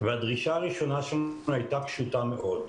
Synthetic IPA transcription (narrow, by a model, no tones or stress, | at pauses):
vead̪ʁiʃaːʁiʃonaʃamnhajt̪akʃut̪ameʔo̞d̪